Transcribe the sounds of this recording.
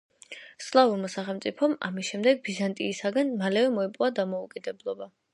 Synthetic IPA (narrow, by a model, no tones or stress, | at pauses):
slˠavuɾmasaχɛlˠmt̪sʼipʰɔma̰misʃɛmd̪ɛɡ̚bizant̪ʼiːsaɡanmalɛvɛmɔɛpʼwad̪amɔukʼid̪ɛblˠɔba